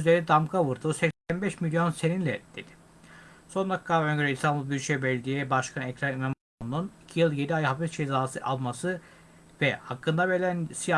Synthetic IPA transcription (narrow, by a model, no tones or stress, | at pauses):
yzeɾid̪amkavɯɾd̪uːsɛcsænbɛʃmilʲjo̞nse̞ninlʲɛd̪̥e̞d̪̥i̥ | so̞nd̪akʰːaːvøɲɟøɾɛist̪ʰambulˠbiɾt͡ʃʰɛbɛlʲd̪ijɛbaʃkʰanɛcɾanimam | onnunicʰijɯlˠɟe̞d̪iajɦafist͡ʃʰezaːsɯʔalˠmasɯ | vɛhakːɯnd̪abelʲænsija